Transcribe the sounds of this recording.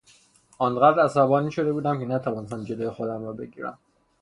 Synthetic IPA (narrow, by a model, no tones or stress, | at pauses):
ɒːnɢæd̪ɾæsæbɒːniːʃo̞d̪e̞buːd̪æmkʲʰe̞næt̪ʰævɒːnest̪æmd͡ʒolojexod̪æmɾɒːbe̞ɟḭːɾæ̰m